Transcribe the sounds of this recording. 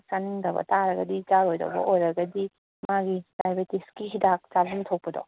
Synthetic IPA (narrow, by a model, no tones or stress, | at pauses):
saniŋdɐbɐ̰taɾɐɡɐdit͡ʃaɾojdɐ̰bɐ̰ʔojɾɐɡɐdi | maɡipɾajbetiskihidak̚t͡ʃabuŋtʰok̚pɐdɔ̰